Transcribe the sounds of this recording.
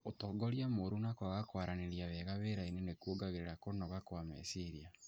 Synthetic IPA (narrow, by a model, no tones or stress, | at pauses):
otɔːɡɔɾjamoɾunakwaɣakwaɾaneɾjaβɛɣaβeɾainenekuoɡaɣeɾeɾakonɔɣakwamḛsiɾia